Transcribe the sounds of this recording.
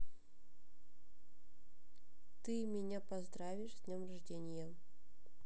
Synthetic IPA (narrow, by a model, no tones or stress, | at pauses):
t̪ɨmʲenʲepɐzd̪rɑvʲiʂdʲnʲemraʐdʲenʲje